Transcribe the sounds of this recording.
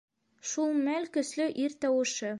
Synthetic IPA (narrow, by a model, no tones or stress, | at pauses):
ʃulˠmælkɵ̆slɵʔiɾt̪ɒwɤ̆ʃɤ